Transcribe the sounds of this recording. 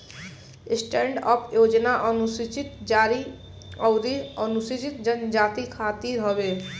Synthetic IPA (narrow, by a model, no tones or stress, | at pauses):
ɪsʈẽɳɖɔpʰjoːd͡ʒnaʔənusit͡ʃit̪d͡ʒaɾi | ɔʊd̪iənusit͡ʃit̪d͡ʒənd͡ʒaːt̪ikʰaːt̪iɾɦɔbeː